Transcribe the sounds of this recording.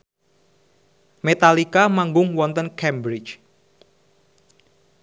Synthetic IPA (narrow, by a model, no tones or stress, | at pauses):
met̪alikamaŋɡʊŋwɔnt̪ənkɛmbɾɪt͡ʃ